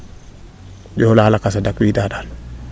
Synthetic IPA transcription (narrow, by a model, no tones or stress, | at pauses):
d͡ʒɔlaːlakasadakwidadal